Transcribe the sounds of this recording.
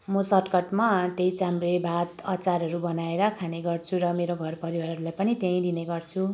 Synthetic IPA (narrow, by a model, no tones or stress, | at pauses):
mʌsʌrkʌʈmat̪ejt͡samrebʱat̪ʌt͡saɾɦʌɾubʌnaeɾʌkʰaneɡʌrt͡sʰuɾʌmeɾoɡʱʌrpʌɾiwaɾʌɾulajpʌnit̪ẽj̃d̪ineɡʌrt͡sʰu